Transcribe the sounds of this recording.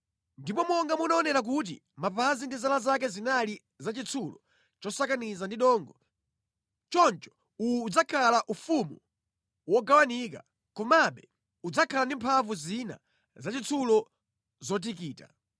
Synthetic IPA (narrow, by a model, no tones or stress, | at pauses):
ndipɔmɔŋɡamunaɔnɛɾak̬ut̬ḭ | mapazindizalazak̬ɛzinali | zat͡ʃit͡sʰulɔ | t͡ʃɔsakanizandiɗɔŋɡɔ | t͡ʃɔnt͡ʃɔ̥ | ujːd͡zakʰalaʔufumṵ | wɔɡawanika̰ | kɔmaɓɛ | ud͡zakʰalandimpʰavuzina̰ | zat͡ʃit͡sʰulɔ | zɔt̬ikiːta̰